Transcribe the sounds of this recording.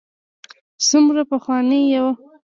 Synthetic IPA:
sumɾapəxwɑnejawa

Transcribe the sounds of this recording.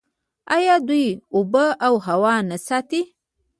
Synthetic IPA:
ajɑd̪ujʊbəawɦawɑnasɑt̪i

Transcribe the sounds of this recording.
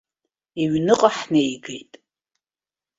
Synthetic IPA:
iɥnɨqʼaħnejɡḛjtʼ

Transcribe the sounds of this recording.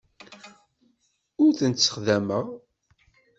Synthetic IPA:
ʊɾθənt̪sə̥χðæməʁ

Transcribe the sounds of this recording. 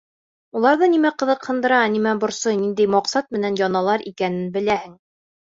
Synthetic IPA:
ulˠɑɾðɤnimæqɤ̆ðɤ̆qhɤ̆nd̪ɤ̆ɾɑnimæbŏɾsɤjnind̪æjmɑqsɑt̪̚mɘ̆nænjɒnɑlˠɑɾʔikænɘnbɘ̆læhɘŋ

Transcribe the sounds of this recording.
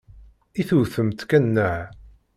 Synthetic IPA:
iθuθəmt̪kænːəʕ

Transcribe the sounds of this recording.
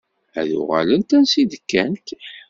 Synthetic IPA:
æðʊ̰ʁæ̰lənt̪ænsid̪əkːænt̪

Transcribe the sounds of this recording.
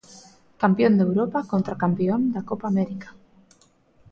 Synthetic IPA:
kampjond̪ewɾopakont̪ɾakampeond̪akopaːmeɾikḁ

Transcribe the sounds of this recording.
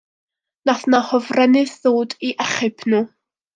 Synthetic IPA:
naθnahɔvrɛnɪθðoːdiʔɛχɨpʰnuː

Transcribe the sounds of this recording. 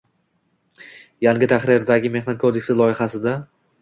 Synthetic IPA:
jaŋɡʲɪt̪ʰaχɾɪɾd̪aɡʲɪme̞hnat̪̚kʰod̪ekʲsɪlˠɒɪχasɪd̪a

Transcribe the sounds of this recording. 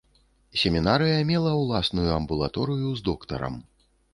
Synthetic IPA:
sʲɛmʲinaɾɨjɐmʲɛlˠɐwlˠasnujuɐmbulˠa̰t̪ɔɾɨjuzd̪ɔkt̪ɐ̰ɾɐ̰m

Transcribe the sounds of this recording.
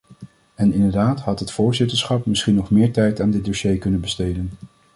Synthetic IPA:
ɛnɪndəɹdaːtɦɑtɦətfʊːɹzɪtəɹsχɑpmɪsχinɔχmɪːɹtɛjtaːndɪt̚doʃejkɵnənbəstejdən

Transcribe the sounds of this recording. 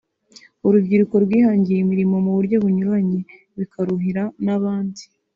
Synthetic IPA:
uɾubɟiɾuko̞ɾɡwiːhaːɲɟiɾimiɾimo̞muβuɾɟo̞βuɲuɾaɲe̞ | βikaɾuɦiɾanaβaːndi̥

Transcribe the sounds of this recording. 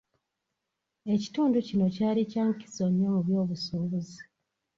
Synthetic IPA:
e̞ci̥tuːnducino̞caːlicaŋki̥so̞ɲːo̞muβjo̞ːβusuːβuzi

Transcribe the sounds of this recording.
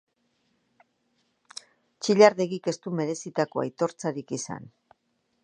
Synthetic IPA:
t͡ʃiʎaɾðe̞ɣike̞st̪ume̞ɾe̞sit̪ako̞a̰jt̪o̞ɾt͡saɾikisa̰n

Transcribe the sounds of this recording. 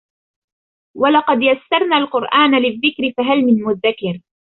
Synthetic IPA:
walɑqɑd̪jasːɑɾˤnaːlqʊɾʔaːnalɪðːɪkɾɪfaɦalmɪnmʊðːakɪɾ

